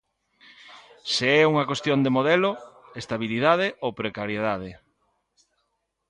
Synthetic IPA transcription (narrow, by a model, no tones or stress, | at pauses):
seɛuŋɐkwest̪jond̪emoðɛlʊest̪aβiliðað̞ɪʔowpɾekaɾjeðað̞e